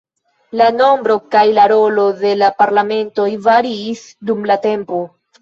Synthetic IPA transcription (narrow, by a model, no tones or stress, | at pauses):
lano̞mbɾo̞kajlaɾo̞lo̞ðe̞lapaɾlame̞nto̞jvaɾiːsdumlate̞mpo